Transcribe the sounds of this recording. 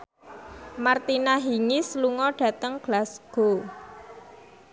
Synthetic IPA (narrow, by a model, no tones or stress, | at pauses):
mart̪inaɦiŋisluŋɔɖ̥ä̤t̪əŋɡ̥lasɡ̥o